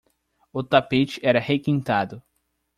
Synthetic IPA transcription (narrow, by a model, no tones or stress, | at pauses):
ʊt̪apet͡ʃɪɛɾɐhekĩnt̪ad̪ʊ